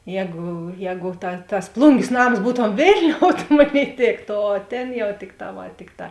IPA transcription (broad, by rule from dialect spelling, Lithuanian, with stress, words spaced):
ˈjɛːɡʊ ˈjɛːɡʊ tɐ tɐs ˈplˠʊŋʲɡʲeːs ˈnɐms ˈbuːtoːm ˈʋʲeːlʲnʲoːʊ tɐ ˈmoːˌnʲeːɪ ˈtʲeːktoː oː ˈtʲeːn jɛʊˈtʲɪkˌtɑː ˈʋɐ ˈtʲɪkˌtɑː